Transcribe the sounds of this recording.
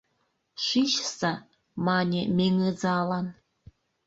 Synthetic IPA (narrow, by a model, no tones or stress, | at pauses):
ɕʷiʃsa | maːnʲemeŋɨd͡zaːlan